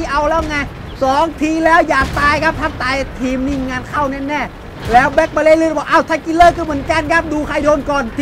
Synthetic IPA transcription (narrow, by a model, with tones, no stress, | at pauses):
ʔa˧wlɛː˦˥wŋa˧˩ | sɔː˨˦ŋt̪ʰiː˧lɛː˦˥wjaː˨˩k̚t̪aː˧jkʰa˦˥p̚t̪ʰa˦˥p̚t̪aː˧jt̪ʰiː˧mniː˧˩ŋaː˧nkʰa˥˩wnɛː˥˩nɛː˥˩ | lɛː˦˥wbɛ˦˥k̚ba˧leː˧˩˨lɯː˧˥˩bɔː˨˩ʔa˧˩wt̪ʰaː˧˩ki˧lɤː˥˩kʰɯː˧˩mɯ˩˦ənka˧˨nkʰa˦˥p̚duː˧kʰa˧˩jdoː˧nkɔː˨˩n